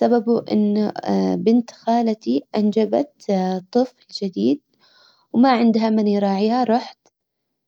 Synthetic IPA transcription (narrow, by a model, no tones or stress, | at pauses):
sababuʔɪ̰nːbɪnt̪xaːlat̪iʔand͡ʒaba̰t̪t̪ˤːɨflɪld͡ʒɪd̪iːd̪̚ | wmaʕɪnd̪ɦamaniɾˤɑːʕiːhaɾˤɑħt̪